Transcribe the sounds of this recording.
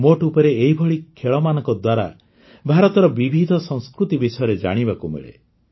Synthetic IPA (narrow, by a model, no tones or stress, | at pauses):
moʈupɔɾeːɦibʱɔɭikʰeɭɔmanɔŋkɔd̪waɾa̰ | bʱaɾɔt̪ɔɾɔbibʱid̪ʱɔsɔ̃ŋskɾut̪ibisɔjɔɾed͡ʒa̰ɽ̃ibakumḛɭḛ